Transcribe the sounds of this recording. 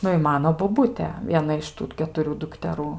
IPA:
ˈnʊ ɪ ˈmɑːnoː boːˈbʊtʲeː ˈʋʲiɛnɐ ɪʃ ˈtuː kʲɛtʊˈrʲuː dʊktʲɛˈruː

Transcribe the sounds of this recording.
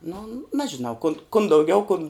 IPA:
nʊ ˈnʲæːʒʲɪnɐʊ kʊn kʊn dɐʊˈɡʲɛʊ kʊn

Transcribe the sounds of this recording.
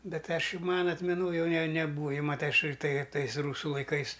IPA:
ˈbʲɛt ˈɐʃ ˈjɛʊ ˈmɑːnɐ ɐtʲmʲɛˈnoːj ˈjɛʊ nʲɛ nʲɛ nʲɛˈbuːɐ ˈjɛʊ mɐˈtɐɪ ˈɐʃ tɐɪ ˈtɐɪs ˈruːsʊ lˠɐɪˈkɐɪs

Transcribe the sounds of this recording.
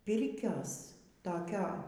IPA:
ˈpʲɪrʲkʲoːs toːˈkʲoː

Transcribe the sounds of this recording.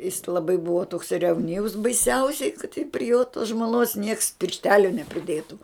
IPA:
jɪs lˠɐˈbɐɪ ˈbʊʋoː toːks rʲɛwˈnʲiːws bɐɪˈsʲɛʊsʲɛɪ kɐt tʲɪk pʲrʲɪ joː toːs ʒmoːˈnoːs nʲiɛks pʲɪrʲʃʲˈtʲæːlʲoː nʲɛpʲrʲɪˈdʲeːtʊ

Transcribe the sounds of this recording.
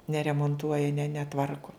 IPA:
nʲɛrʲɛmoːnˈtuɔjɛ nʲɛ nʲɛˈtʋɐrkʊ

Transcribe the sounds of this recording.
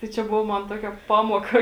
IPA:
tɐɪ ˈt͡ʃʲɛ ˈbʊʋoː ˈmɐn ˈtuɔkʲɛ ˈpɑːmuɔkɐ

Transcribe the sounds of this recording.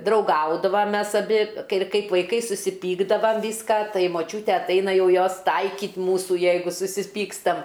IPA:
drɐʊˈɡɐʊdɐʋɐm ˈmʲɛs ɐˈbʲɪ kɐɪ ˈkɐɪp ʋɐɪˈkɐɪ sʊsʲɪˈpʲiːɡdɐʋɐm ˈʋʲiːskɐ ˈtɐɪ moːˈt͡ʃʲuːtʲɛ ɐtˈɐɪnɐ ˈjɛʊ ˈjoːs ˈtɐɪkʲiːt ˈmuːsʊ ˈjɛɪɡʊ sʊsʲɪˈpʲiːkstɐm

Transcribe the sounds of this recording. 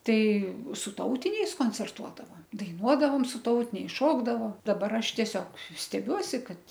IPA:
ˈtɐɪ sʊ ˈtɐʊtʲɪnʲɛɪs koːnʲt͡sʲɛrˈtuɔdɐʋɐ dɐɪˈnuɔdɐʋoːm sʊ ˈtɐʊtʲɪnʲɛɪs ˈʃoːɡdɐʋoː dɐˈbɐr ˈɐʃ tʲiɛˈsʲoːk sʲtʲɛˈbʲuɔsʲɪ ˈkɐt

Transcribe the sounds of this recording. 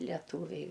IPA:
lʲɛˈtuːʋʲɛɪ

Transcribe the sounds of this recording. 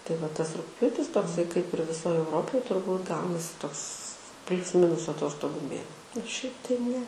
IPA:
tɐɪ ʋɐ ˈtɐs rʊkˈpʲjuːtʲɪs toːkˈsɐɪ kɐɪp ɪr ʋʲɪˈsoːj ɛʊˈroːpoːj tʊrˈbuːt ˈɡɐʊnɐsʲɪ ˈtoːks ˈpʲlʲʊs ˈmʲɪnʊs ɐˈtoːstoːɡʊ ˈmʲeː ɪr ˈʃʲɛɪp tɐɪ ˈnʲɛ

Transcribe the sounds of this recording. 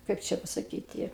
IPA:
ˈkɐɪp t͡ʃʲɛ pɐsɐˈkʲiːtʲɪ

